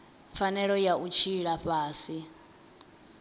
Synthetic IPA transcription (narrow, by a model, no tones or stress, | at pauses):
fanɛɺɔjaʔut͡ʃʰiɺaɸaːsi